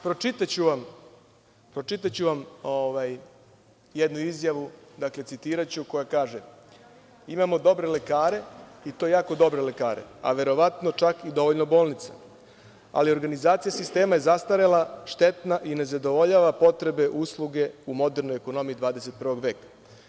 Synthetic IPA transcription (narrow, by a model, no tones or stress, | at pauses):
pɾot͡ʃit̪at͡ɕuʋam | pɾo̞t͡ʃit̪at͡ɕuʋamoʋaj | jed̪nuizjaʋud̪akle̞t̪sit̪iːɾat͡ɕuko̞jakaːʒe | imamo̞d̪o̞bɾe̞le̞kaːɾe̞it̪o̞jaːko̞d̪o̞bɾe̞le̞kaːɾḛa̰ʋe̞ɾo̞ʋat̪no̞t͡ʃakid̪o̞ʋo̞ʎno̞bo̞ːlˠnit̪sa̰ | a̰lio̞ɾɡanizaːt̪sijasist̪e̞ːmaje̞zast̪aɾelaʃt̪e̞t̪naʔine̞zad̪o̞ʋo̞ʎaʋapo̞t̪ɾe̞be̞ʔuːslˠuɡe̞umo̞d̪eɾno̞jeko̞no̞mijid̪ʋaːd̪ese̞t̪̚prʋo̞ɡʋe̞ːkḁ